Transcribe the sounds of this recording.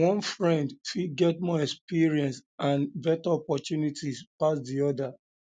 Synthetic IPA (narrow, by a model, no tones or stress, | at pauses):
wɔ̃nfɹɛ̃ndtiɡɛtmɔɛkspiɹiɛ̃nsãnvɛtɔpɔtjunitʰispasdiɔda